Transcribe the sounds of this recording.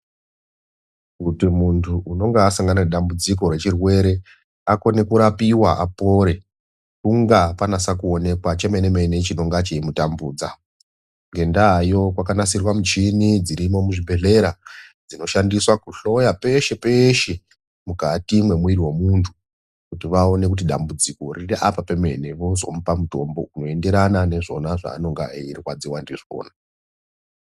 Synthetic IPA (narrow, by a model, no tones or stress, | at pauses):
kutimuntʰuʔuno̞ŋɡeasaŋɡanaeɗambud͡ziko̞ɾe̞t͡ʃirwe̞ɾe̞ | ako̞ne̞kuɾapiwaʔapo̞ɾe̞ | kuŋɡapanasakuo̞ne̞kwat͡ʃe̞menemenet͡ʃino̞ŋɡat͡ʃeimutambuːd͡za | ŋɡe̞ndajo̞kwakanasirwamut͡ʃinid͡ziɾimo̞muʐiɓe̞ɮe̞ɾad͡zino̞ʃandiswakuɬo̞jape̞ʃe̞peʃe | mukatimwe̞mwiɾiwe̞muntʰu | kutiʋaone̞k̬ut̬iɗa̰mbud͡ziko̞ririʔapapeme̞̰neʋozo̞̰mupamuto̞mbo̞uno̞e̞nde̞ɾanane̞ʐo̞̰naʐa̰ːno̞ŋɡa̰eirikwad͡ziwandiʐio̰ːna